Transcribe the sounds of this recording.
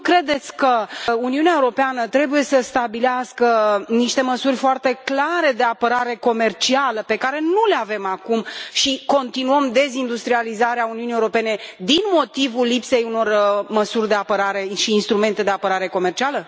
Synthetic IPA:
kɾe̞d̪e̞t̪sʲkəuniuneaewuɾo̞peanət̪ɾe̞buje̞səst̪abileaskəniʃt̪e̞məsurʲfoart̪e̞klaɾe̞d̪e̞apəɾaɾe̞ko̞me̞rt͡ʃialəpe̞kaɾe̞nule̞ave̞makumʃiko̞nt̪inuəmd̪e̞zind̪ust̪ɾializaɾeauniunijewuɾo̞pe̞ne̞d̪inmo̞t̪ivulːipse̞juno̞rməsurʲd̪eapəɾaɾe̞ʃiːnst̪ɾume̞nt̪e̞d̪eapəɾaɾe̞ko̞me̞rt͡ʃialə

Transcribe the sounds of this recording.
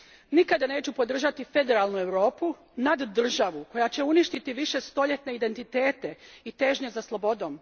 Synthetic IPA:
nikad̪ane̞ːt͡ɕupo̞d̪r̩ʒat̪ife̞d̪e̞ɾalnue̞ʋɾo̞ːpu | nad̪ːr̩ʒaʋuko̞jat͡ɕe̞uniʃt̪it̪iʋiʃe̞st̪o̞ʎe̞t̪ne̞id̪e̞nt̪it̪e̞ːt̪e̞it̪e̞ʒɲe̞zaslˠo̞bo̞d̪o̞ːm

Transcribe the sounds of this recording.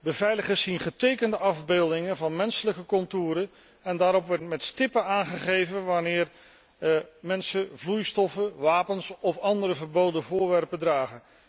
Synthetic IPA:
bəvɛjləχəsinχətejkəndəʔɑvbeːlˠdɪŋənvɑnmɛnsələkəkɔntuːɾən | ɛndaːɾɔpʋɛtmɛtstɪpənaːnχəχejvənʋanɪːɹ | mɛnsəvlujstɔfəʋaːpənsɔfɑndəɾəvəɹbowdənvʊːɹʋɛrpədraːχən

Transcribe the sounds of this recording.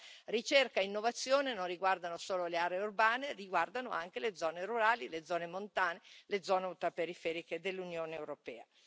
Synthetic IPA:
rit͡ʃerkaeinːovat̪sːjoːnenonriɡward̪anosoːloleaːɾeeurbaːneriɡward̪anoa̰ŋk̟eled̪zɔːneɾuɾaːliled̪zɔːnemont̪aːneled̪zːɔːneult̪ɾapeɾifɛːɾiked̪elːunjoːneːwɾopɛːa

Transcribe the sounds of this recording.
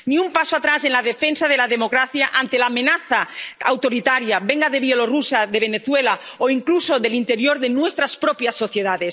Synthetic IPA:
niumpasoat̪ɾase̞nlað̞efensað̞elaðemo̞kɾaθjaʔant̪elaːmẽnaθaawt̪o̞ɾit̪aɾjabeŋɡaðe̞βjolorusaðeβ̞e̞neθwela | oiŋkluso̞ðe̞lint̪e̞ɾjoɾðenwest̪ɾaspɾopjasːo̞θjeðaðes

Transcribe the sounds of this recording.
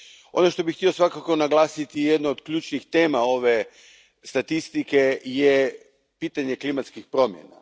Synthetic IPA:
o̞̰noʃt̪o̞bixːt̪io̞sʋakakonaɡlˠaːsit̪ijed̪nood̪kʎuːt͡ʃnixt̪e̞ːmao̞ʋe̞ | st̪at̪ist̪ike̞je | piːt̪aɲe̞klimat̪skixpɾo̞mjḛna̰

